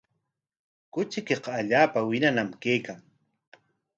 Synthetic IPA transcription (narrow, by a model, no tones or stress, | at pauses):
kʊt͡ʃɪkeqɑːʎaːpawɪnanamkejkaŋ